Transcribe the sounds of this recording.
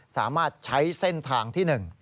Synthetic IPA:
sa̰ː˩˦maː˥˩t̪̚t͡ɕʰa˦˥jse˥˩nt̪ʰaː˧ŋt̪ʰiː˥˩nɯ˨˩ŋ

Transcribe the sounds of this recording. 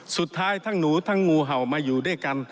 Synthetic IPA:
su˨˩t̪ʰːaː˦˥˩jt̪ʰaː˧˥˩ŋnuː˨˦t̪ʰa˧˥˩ŋːuː˧ɦa˨˩wmaː˧juː˨˩duː˥˩˨jka˧n

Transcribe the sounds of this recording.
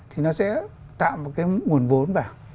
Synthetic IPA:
t̪ʰi˨˩nɔ˨˦sɛ̰˧˥ | t̪a̰ː˧˨mo˨˩kaː˨˦jŋu˨˩ənvo˨˦nvaː˨˩ŋ

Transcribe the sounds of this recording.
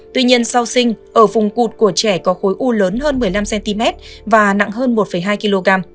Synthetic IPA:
t̪wi˧ɲi˧ənsa˧wsï˧ŋ̟ʔəː˧˩vʊ˨˩ŋ͡mku˨˩t̚ku˧˩ət͡ɕɛ˧˩kɔ˨˦xo˨˦jʔu˧ləː˨˦nɦəː˧nmɨ˨˩əjla˧msɛ˧nt̪i˧mɛ˦˥t̚vaː˨˩na̰˧˨ŋɦəː˧nmo˨˩t̚fə˧˩jɦaː˧jki˧lo˧ɣaː˧m

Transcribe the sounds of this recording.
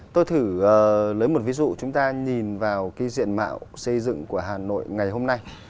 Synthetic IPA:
t̪o˧jt̪ʰɨ˧˩əː˨˩lə˨˦jmo˨˩t̚vi˨˦zṵ˧˨t͡ɕʊ˨˦ŋ͡mt̪aː˧ɲi˨˩nvaː˨˩wki˨˦zḭ˧˨ənma̰ː˧˨wsə˧jzɨ̰˧˨ŋku˧˩əɦaː˨˩no̰˧˨jŋa˨˩jɦo˧mna˧j

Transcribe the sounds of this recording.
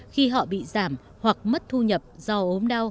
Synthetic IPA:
xi˧ɦɔ̰˧˨ɓḭ˧˨zaː˧˩m | hwa˨˩k̚mə˦˥t̚t̪ʰu˧ɲə˨˩p̚z̥ɔ˧ʔo˨˦mɗa˧w

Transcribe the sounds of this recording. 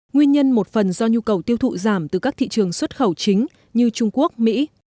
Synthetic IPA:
ŋwi˧ənɲə˧nmo˨˩t̚fə˨˩nzɔ˧ɲu˧kə˨˩wt̪i˧əwt̪ʰṵ˧˨zaː˧˩mt̪ɨ˨˩kaː˦˥k̚t̪ʰḭ˧˨t͡ɕɨ˨˩əŋswə˦˥t̚xə˧˩wt͡ɕï˨˦ŋ̟ | ɲɨ˧t͡ɕʊ˧ŋ͡mku˦˥ək̚mḭ˧˥

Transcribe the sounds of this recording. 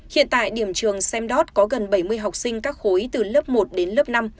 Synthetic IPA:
hḭ˧˨ənt̪a̰ː˧˨jɗi˧˩əmt͡ɕɨ˨˩əŋsɛ˧mɗɔ˦˥t̚kɔ˨˦ɣə˨˩nɓə˧˩jmɨ˧əjɦa˨˩wk͡p̚sï˧ŋ̟kaː˦˥k̚xo˨˦jt̪ɨ˨˩ləː˦˥p̚mo˨˩t̚ɗe˨˦nləː˦˥p̚na˧m

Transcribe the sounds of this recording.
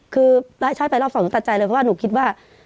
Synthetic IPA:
kʰɯː˧laː˦˥˩jt͡ɕʰaː˧˦˥jpa˧jla˧˥˩wsnuː˧˦t̪a˧t̚t͡ɕa˧jlɤː˧jpʰɔ˥waː˥˩nuː˦˩kʰi˦˥t̪̚waː˥˩

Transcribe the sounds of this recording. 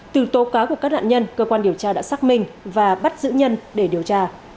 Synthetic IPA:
t̪ɨ˨˩t̪o˨˦kaː˨˦ku˧˩kaː˦˥k̚na̰ː˧˨nɲə˧nkəː˧kwaː˧nɗi˨˩əwt͡ɕaː˧ɗa̰ː˧˥saː˦˥k̚mï˧ŋ̟vaː˨˩ɓa˦˥t̚zɨ̰˧˥ɲə˧nɗe˧˩ɗi˨˩əwt͡ɕaː˧

